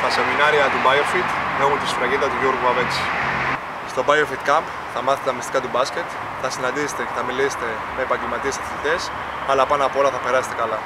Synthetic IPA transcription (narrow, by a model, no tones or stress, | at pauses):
t̪ɐseminɐɾiɐt̪ubɐjofit̪neɣunt̪isfɾɐʝind̪ɐt̪uʝoɾɣuɐvet͡si̥ | st̪o̞bɐjofit̪kɐmp | θɐmɐθet̪ɐmist̪ikɐt̪ubɐsce̞t̪ | θɐsinɐnd̪ise̥t̪eceθɐmilise̥t̪e̞ | meeːpɐɲɟelmɐt̪iesɐ̥fit̪e̞s | ɐlɐpɐnɐpoolɐθɐpe̞ɾɐse̥t̪ekɐlɐ